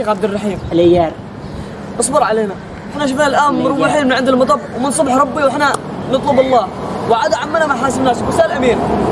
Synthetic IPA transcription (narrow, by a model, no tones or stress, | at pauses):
eːxʕab̚d̪ɪrˤːɑħiːmɪlʔɪjːaːɾ | ʔɑsˤbɑɾˤʕaleːna | ʔɪħnaʃ̬ʊfnalʔaːnːɾˤʊbiħiːlmɪnʕɪnd̪ilmɑt̪ˤɑbwmɪnsˤʊbħɾˤɑbːiwɪħna | nɑt̪ˤluːbɑlˤːɑːwʕaːd̪aʕamːanamaħaːsɪmnaːʃbʊsaʔlʔamiːɾ